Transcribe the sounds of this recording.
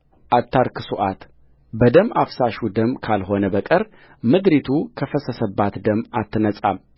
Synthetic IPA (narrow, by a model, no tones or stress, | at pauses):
ʔat̪ʰːaɾkʰɨsuʔat̪ | bəd̪əmafsaʃud̪əmkʰalɦo̞nəbəkʼəɾ | mɨd̪ɾit̪ʰukʰəfəsəsəbːat̪d̪əmat̪ːɨnəsʼam